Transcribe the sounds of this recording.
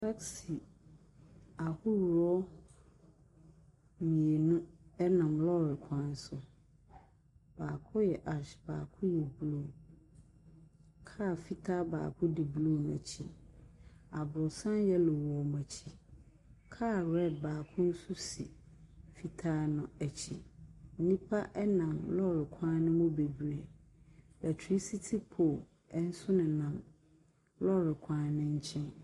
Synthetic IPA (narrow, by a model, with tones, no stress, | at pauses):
la˦ksi˨ | a˨hʊ˦wɾɔ˦ | mĩ˨e˨nũ˦ɛ˦nã˨mlɔ˦ɾɪ˨kʰã˦n˦sʊ˨ | b̥aː˨kʰʊ̃˦jɛ˨ʔa˨ɕba̰ː˨kʰʊ̃˦jɛ˨blo˦˨ | kʰa˦˨fi˦tʰa˦ba̰ː˨kʰʊ̃˦dɪ˨blo˦˨na˨t͡ɕʰi˦ | a˨bɾʊ˨sã˦njɛ˦lʊ˨wɔ˨m˨ɛ˨t͡ɕʰi˨ | kʰaː˦˨ɾɛ˦˨d̚baː˨kʰʊ̃˦n̩˦sʊ˦sḭ˨ | fi˦tʰaː˦nʊ̃˨æ˨t͡ɕʰi˨n̩˦nĩ˦pʰa˦ʔɛ˦nã˨mlɔ˦˨ɾɪ˨kʰãː˦nʊ̃˦mʊ̃˦be˨bɥɾɛ˨ | æ˨tʰi˦si˦tʰi˦pʰo˨ | ɛ˦n̩˦sʊ˦nɪ̃˨nã˨m | lɔ˦˨ɾɪ˨kʷʰãː˦nɪ̃˦ɲ̩˦t͡ɕʰɪ̃˦n